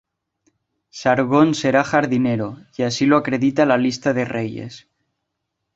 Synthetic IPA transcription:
saɾɣonse̞ɾaxaɾðineɾoiasiloakɾe̞ðit̪alalist̪aðe̞reje̞̰s

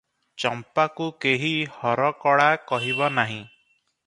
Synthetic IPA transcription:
t͡ʃɔmpakukeɦihɔɾɔkɔɽakɔɦibɔnaɦĩ

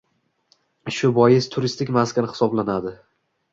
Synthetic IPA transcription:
ʃʊbɒjɪst̪ʰʊɾɪst̪ʰɪkʲmaskʰʲanhɪ̥sɒblanad̪ɪ

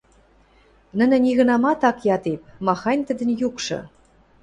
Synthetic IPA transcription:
nə̆nɘ̆nʲiɣə̆nɑmɑt̪ɑkjɑt̪ep̚mɑxɑjnʲt̪ə̆d̪ə̆njukʃɤ̰̆

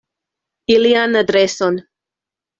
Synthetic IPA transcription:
ilianad̪ɾeson

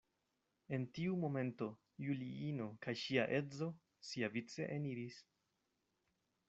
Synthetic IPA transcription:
e̞ntiumo̞me̞nto̞ | juliino̞kajʃiaʔe̞d͡zo̞ | siavit͡se̞̰ʔeniɾis

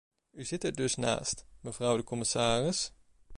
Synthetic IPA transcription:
yzɪtɛɹdɵsna̰ːstməvrʌwdəkɔmɪsaːrɪs

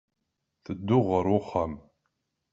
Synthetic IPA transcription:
θɨd̪ːʊʁəɾʊχəm

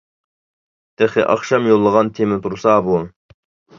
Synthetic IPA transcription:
d̪̥eχɪʔɑ̰χʃɑmjolˠːəʁɑnt̪ʰemɪt̪ʰuɾsɑbu

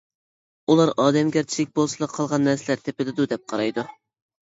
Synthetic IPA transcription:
ulˠɑɾɑːd̪ɛmɡʲæɾt͡ʃʰilɪk̚ʲbolˠsɨlˠəqʰːɑlˠʁɑnːɛɾsɪlæɾt̪ʰepɪlɪd̪ud̪ɛp̚qʰɑɾɑjd̪u

